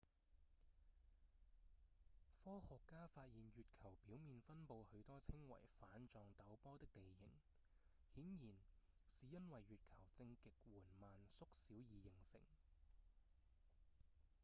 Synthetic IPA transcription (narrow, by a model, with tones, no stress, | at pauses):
fɔː˥hɔː˨kːaː˥faː˧t̚jiː˨nɥyː˨t̚kʰɐ˨˩wpiː˨˥wmiː˨˧nfɐ˥npo˧whɵ˨˧˥ɥt̪ɔː˥t͡sʰɪ˥ŋwɐ̰˨˩jfaː˨˥nt͡sɔː˨˧ŋt̪ɐ˨˥wpɔː˥t̪ɪ˥k̚t̪e˨jjɪ̰˨˩ŋ | hiː˨˥njiː˨˩n | siː˨jɐ˥nwɐ˨jɥyː˨t̚kʰɐ˨˩wt͡sɪ˧ŋkɪ˨k̚wuː˨˩nmaː˨nsʊ˥k̚siː˨˥wjiː˨˧jɪ˨˩ŋsɪ̰˨˩ŋ